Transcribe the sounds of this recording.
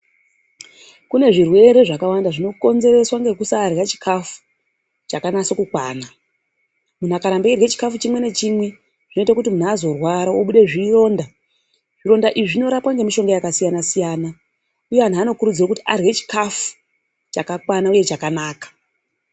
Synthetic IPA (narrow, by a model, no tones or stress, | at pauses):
kune̞ʐirwe̞ɾe̞ʐakawandaʐino̞ko̞nze̞ɾe̞swaŋɡe̞kusaːrɣat͡ʃi̥kʰafu̥ | t͡ʃakanasokukwaːna | mun̤akaɾambeirwet͡ʃi̥kafut͡ʃimwe̞ne̞t͡ʃimwe̞ | ʐ̥ino̞itakutimun̤aːzo̞rwaɾaoɓuɗe̞ʐiro̞ːnda | ʐ̥iɾo̞ndaʔiiʐino̞ɾapwaŋɡe̞miʃo̞ŋɡojakasijanasijaːna | ujean̤uaːno̞kuɾud͡zirakutiarɣet͡ʃi̥kafu̥ | t͡ʃakakwanauje̞t͡ʃakanaːkḁ